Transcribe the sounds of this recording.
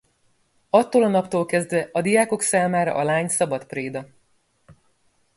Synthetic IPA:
ɒt̪ːoːlɒnɒpt̪oːlkɛzd̪ʋɛɒd̪ijaːko̞ksaːmaːɾɒ̰ʔɒlaːɲsɒbɒt̪preːd̪ɒ

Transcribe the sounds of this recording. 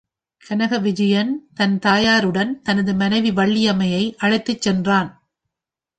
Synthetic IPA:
kɐnɐɣɐʋɪd͡ʒɐjɐnt̪ɐnt̪aːjaːɾɯɽɐnt̪ɐnɐðɯmɐnɐɪʋiʋɐɭːɪjɐmɐjɐɪʔɐɻɐɪt̪ːɯt͡ʃːɛndraːn

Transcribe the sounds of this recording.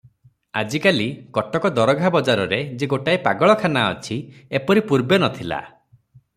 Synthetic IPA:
a̰d͡ʒikalikɔʈɔkɔd̪ɔɾɔɡʱabɔd͡ʒaɾɔɾed͡ʒeɡoʈaipaɡɔɭɔkʰanaɔ̰t͡ʃʰiepɔɾipuɾbenɔt̪ʰila̰

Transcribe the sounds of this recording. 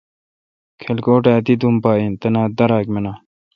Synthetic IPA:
kʰelkoːʈaːt̪id̪umpaːint̪ɐnaːd̪ɐɾaːkmenaː

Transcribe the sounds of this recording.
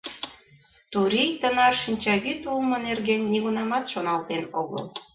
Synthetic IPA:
t̪uɾijt̪ənɑrʃinʲt͡ɕɑɣyt̪ulmɤ̆nerɣenːiɣunɑmɑt̪ʃonɑlˠt̪enoɣo̰l

